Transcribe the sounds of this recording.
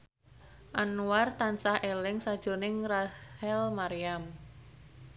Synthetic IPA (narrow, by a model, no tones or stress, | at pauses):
ʔanuwart̪ansahelɪŋsad̥ʒ̥o̤nɪŋrahɛlmaɾiam